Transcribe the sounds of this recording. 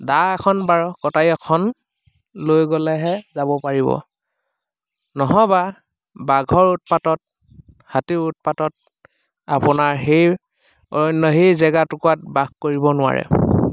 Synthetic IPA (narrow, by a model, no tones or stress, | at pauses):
daɛkʰɔnbaɹkɔtajɔkʰɔn | lojɡɔlɛɦɛzabɔpaɹibɔ̰ | nɔɦɔba | baɡʱɔɹutpatɔt̚ | hatiɹut̚patɔt | apʊnaɹɦej | ɔ̰jɔnːɔɦejzɛɡatʊkuwat̚baɡkoɹibɔnʊwa̰ɹɛ̰